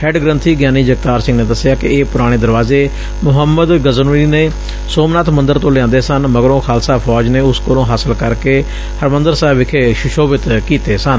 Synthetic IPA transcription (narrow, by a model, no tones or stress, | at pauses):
hɛːɖɡɾə̃nt̪ʰiːɡjaːniːd͡ʒəɡ̚t̪aːɾsɪ̃ŋɡneːd̪əsːɪjaːkɪ̰eːpʊɾaːɽ̃eːd̪əɾʋaːzeː | mʊɦəmːəd̪ɡəzəniːneː | soːmnaːt̪mənd̪əɾt̪õːlɪãːnd̪eːsənməɡɾõːkʰaːlsaːpʰɔːd͡ʒneːʊskəlõːɦaːsəlkəɾkeː | həɾmənd̪əɾsɛːbɪkʰeːʃʊʃoːbɪt̪kiːt̪eːsən